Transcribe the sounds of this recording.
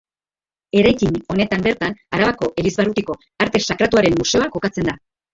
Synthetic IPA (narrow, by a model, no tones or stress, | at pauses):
e̞ɾajkiɲo̞ne̞t̪ambe̞ɾt̪anaɾaβako̞ʔelizβarut̪iko̞ | aɾt̪e̞sakɾat̪uaɾe̞mːuse̞o̞ako̞kat͡se̞nd̪a